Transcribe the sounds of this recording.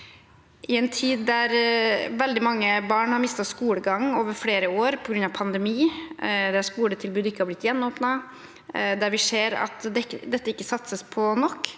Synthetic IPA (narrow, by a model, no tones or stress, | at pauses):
ʔɪɛnt̪ʰiːd̪ːæɾʋɛld̪ɪmɑŋːəbɑːɳhɑɾmɪst̪ɑskuːləɡɑŋːoːʋəɾfɽeːɾəoːɾpʰɔɡɾʉnɑʋpʰɑnd̪ɛmiːd̪ɛæʂkuːlət̪ʰɪlbʉːd̪ɪkːəhɑɾblɪt̪jɛnːɔːpnɑ | d̪æɾʋɪseːɾɑ̰t̪d̪ɛd̪ɛt̪ːəɪkːəsɑt̪səspʰɔnɔkː